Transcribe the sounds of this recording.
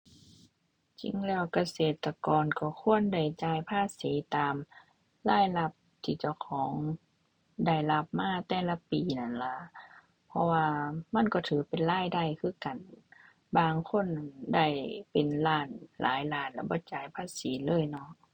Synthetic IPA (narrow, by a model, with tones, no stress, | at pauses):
t͡ɕḭ˧˦ŋlɛː˧˩wka˧seː˨˩t̪ːa˧kɔː˨nkɔ˧˩kʰu˧˥˨ənda˧˩jt͡ɕaː˧˦jpʰaː˧˥˨siː˨˦t̪aː˨m | laː˧˩˨jla˧p̚t̪ʰiː˧˩t͡ɕa˧˩wkʰɔː˨˦ŋ | da˧˩jla˧p̚maː˧˥˨t̪ɛː˧˩la˧piː˨na˧˩˨nla˧˦ | pʰɔ˧waː˧ma˧˥˨nkɔː˧˩t̪ʰɯː˨˦pe˨nlaː˧˥˨jda˧˩˨jkʰɯː˧˩˨ka˨n | baː˧ŋkʰo˧˥˨nːa˧˨nda˧˩jpe˨nlaː˧˩nlʔa̰ː˨˦jlaː˧˩˨nla˧˩bɔː˧˦t͡ɕaː˨˦jpʰaː˧˥˨siː˨˦lɤː˧˥˨jnɔ˧˥˨ʔ